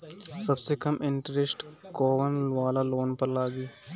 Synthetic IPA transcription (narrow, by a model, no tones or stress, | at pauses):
sɐbsekɐmʔɪɳʈɾesʈkoːʋənʋaːlaloːnpəɾlaːɡiː